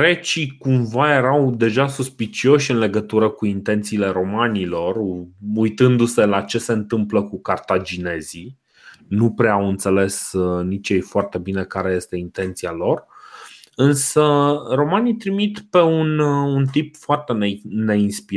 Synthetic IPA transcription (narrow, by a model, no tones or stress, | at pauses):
ɾe̞t͡ʃikumvaje̞ɾawd̪e̞ʒasuspit͡ʃio̞ʃʲɨnle̞ɡət̪uɾəkuint̪e̞nt̪siːle̞ɾo̞manilo̞rujt̪ɨnd̪use̞lat͡ʃe̞se̞ɨnt̪ɨmpləkukart̪ad͡ʒine̞zi | nupɾeawɨnt̪se̞le̞snit͡ʃjejfoart̪e̞bine̞kaɾe̞je̞st̪e̞int̪e̞nt̪sialo̞r | ɨnsəro̞manit̪ɾimit̪pe̞ununt̪ipfoart̪e̞nene̞inspi